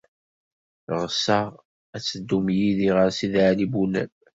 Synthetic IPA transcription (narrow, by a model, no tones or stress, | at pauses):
ʁsəʁ | æt͡sːəd̪ːumjiðiʁəɾsiðʕalibunæ̰l